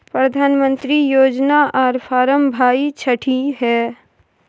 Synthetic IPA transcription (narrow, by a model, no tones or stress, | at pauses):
pɾəd̪ʱaːnmə̃nt̪ɾijoːd͡ʒnaʔɔːɾpʰaːɾəmbʱaːit͡ʃʰəʈʰiɦɛː